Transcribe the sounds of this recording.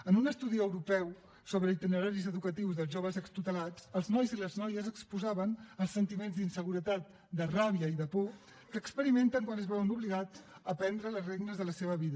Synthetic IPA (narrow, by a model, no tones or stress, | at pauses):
ənunəst̪uðiəwɾupɛw | soβɾəit̪inəɾaɾizəðukət̪iwzðəlˠzʒoβ̞əzəkst̪ut̪əlat͡səlˠznɔjziləznɔjəzəkspuzaβənəlˠsənt̪imenzd̪insəɣuɾət̪at̪̚ | d̪əraβiəiðəpo | kəːkspəɾiment̪əŋkwanəzβɛwənuβliɣad͡zəpɛnd̪ɾələzreɡnəzðələseβəβiðə